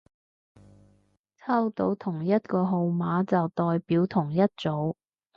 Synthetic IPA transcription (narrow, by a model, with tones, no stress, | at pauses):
t͡sʰɐ˥wt̪o˨˥wt̪ʰʊ˨˩ŋjɐ˥t̚kɔː˧ɦo˨˧wmaː˨˥t͡sɐ˨wt̪ɔː˨jpiː˨˥wt̪ʰʊ˨˩ŋjɐ˥t̚t͡so˨˥w